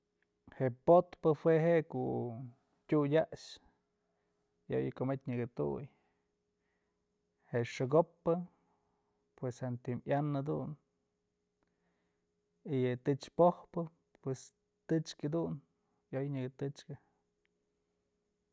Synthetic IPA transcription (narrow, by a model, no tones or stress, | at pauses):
heʔpot̪pɨhweɦeʔekoʔ | tʲujʲaʔʃ | jo̰jɨkomet̪ʲɲɨɡɨt̪ṵj | heʔʂɨɡopːɨ | pweshant̪imʔjanɨd̪un | ijɨt̪ɨt͡ʃpohpɨ | pwes | t̪ɨt͡ʃkad̪un | jojɲɨɡɨt̪ɨt͡ʃkɨ